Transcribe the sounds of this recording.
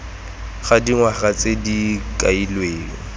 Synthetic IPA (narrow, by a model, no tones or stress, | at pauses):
χadiŋwaχat͡sedikʼailweːŋɔ